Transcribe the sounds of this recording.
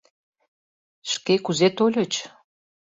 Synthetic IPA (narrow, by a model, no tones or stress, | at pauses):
ʃkekuzet̪olʲə̆t͡ɕ